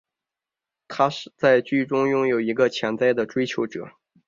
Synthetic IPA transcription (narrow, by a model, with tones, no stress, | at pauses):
t̪ʰa˥ʂ̩˥˧t͡sa˥˩ɪt͡ɕy˥˩ʈ͡ʂʊ˥ŋjʊ˥˩ŋjo˨˩ʊi˧˥ɡə˧t͡ɕʰjɛ˧˥nt͡sa˥˩ɪd̪ə˩ʈ͡ʂwe˥ɪt͡ɕʰjo˧˥ʊʈ͡ʂɤ̰˨˩˦